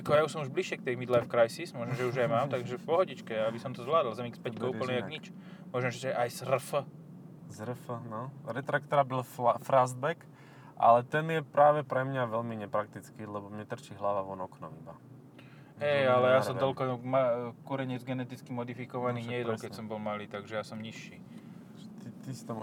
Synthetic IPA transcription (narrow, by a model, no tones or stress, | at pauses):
akɔjauʃsɔmuʒbliʃjɛkt̪ɛjmid̪lafkɾajsismʊɔʒnmʒɛuʒajmaːmt̪aɡʒɛfpɔɦɔɟit͡ʃkɛabisɔmt̪ɔzʋlaːd̪l̩zamikspɛckɔuplniaɡɲit͡ʃ | mʊɔʒɛmʒɛt̪ɛʔajzrfə | zrfnɔɾɛt̪ɾak̚t̪ɔɾabilfɾazbɛk | ʔa̰lɛt̪ɛnjɛpɾaːʋɛpɾɛmɲaʋɛlmiɲɛpɾakt̪it͡skilɛbɔmɲɛt̪r̩t͡ʃiɦlaʋaʋɔnɔknɔmiba | ɦɛjalɛjasɔmɔlkɔmakuɾɛɲɪɛd͡zɡɛnɛt̪it͡skimɔd̪ifikɔʋaniːɲɛjɛd̪ɔlkɛcsɔmbɔlmaliːt̪aɡʒɛjaːsɔmɲiʃːiː | t̪it̪ist̪ɔm